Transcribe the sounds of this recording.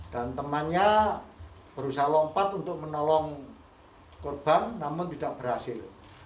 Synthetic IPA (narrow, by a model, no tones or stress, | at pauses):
d̥ant̪əmanɲa | b̥əɾusahlɔmpat̪unt̪ʊk̚mənɔlɔŋ | korb̥anːamʊŋt̪idaʔb̥ərɦasɪl